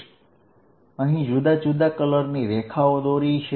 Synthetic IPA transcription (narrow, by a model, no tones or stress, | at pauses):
əɦĩd͡ʒud̪at͡ʃud̪akələɾniʋɛkʰaod̪oɾiʃʰe